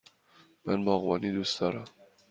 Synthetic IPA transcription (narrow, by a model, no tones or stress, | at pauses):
mænbɒːɣbɒ̰ːnid̪uːsd̪̥ɒːɾæm